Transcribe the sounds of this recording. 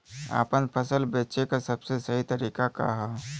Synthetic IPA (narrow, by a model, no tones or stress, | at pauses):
a̰ːpənpʰəsəlbeːt͡ʃekasɐbsesəɦit̪əɾiːkaka̰ɦɛ